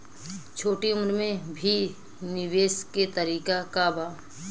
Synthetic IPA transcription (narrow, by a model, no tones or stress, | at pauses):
t͡ʃʰoːʈiʊmɾmẽbʱi | nɪʋeːsket̪əɾiːkakabaː